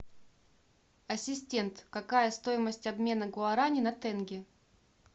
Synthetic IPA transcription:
ɐsʲɪsʲtʲe̞nt̪kɐkajəst̪o̞jɪməsʲtʲɐbmʲe̞nəɡʊɐɾanʲɪnɐt̪ɛnɡʲɪ

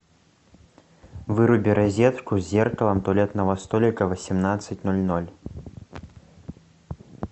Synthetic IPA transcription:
vɨɾubʲiɾazʲɛt̪kuzʲːɛrkɐlˠɐmt̪ɔlʲɛɐt̪nɐvɐst̪ɔlʲikɐvɐsʲimnat̪sːɐt͡sʲnɔlʲnɔlʲ

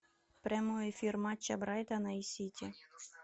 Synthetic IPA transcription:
pɾʲamoefʲirmɑt͡ʃːɐ̰bɾɑjt̪ɐnɐisʲitʲi

